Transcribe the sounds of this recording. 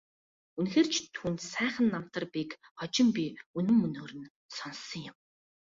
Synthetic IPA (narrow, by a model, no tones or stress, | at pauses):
unxeːrt͡ɕʰt̪ʰuːnt̪sæːχə̆nːam̥t̪ə̆rpik | χɔt͡ɕɪ̆mpʲiunɵ̆mːɵnoːɾɵ̆n | sɔnsːɞ̆ŋjʊm